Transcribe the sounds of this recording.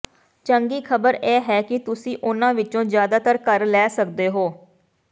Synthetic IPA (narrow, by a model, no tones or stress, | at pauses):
t͡ʃəŋɡiːkʰəbəɾɛːɦɛːkɪt̪ʊsĩːʔʊnãːʋɪt͡ʃõːzjaːd̪aːt̪əɾkəɾlɛːsəkd̪eːɦoː